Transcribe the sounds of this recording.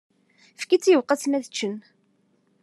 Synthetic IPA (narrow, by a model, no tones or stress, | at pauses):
fkːit͡sːjəvqːɑt͡smæðət͡ʃːən